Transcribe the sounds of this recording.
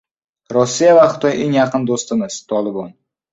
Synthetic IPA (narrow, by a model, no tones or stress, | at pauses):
ɾɒsːijavaχʊ̥t̪ʰɒjʔe̞ŋjaqʰɨnd̪ost̪ɪmɪz̥t̪ʰɒlˠɪbɒn